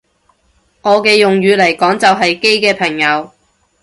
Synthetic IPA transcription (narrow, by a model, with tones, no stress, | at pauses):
ŋɔː˨˧kɛː˧jʊ˨ŋjyː˨˧lɐ˨˩jkɔː˨˥ŋt͡sɐ˨wɦɐ˨jke˥jkɛː˧pʰɐ˨˩ŋjɐ˨˧w